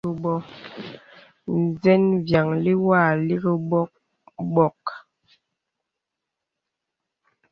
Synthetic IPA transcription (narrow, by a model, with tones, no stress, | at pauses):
ə˨bɔ˦ | n˨zɛ˦nvja˨ŋli˦wa˦˨li˦ɣə˦bɔ˦ | bɔ˦˨k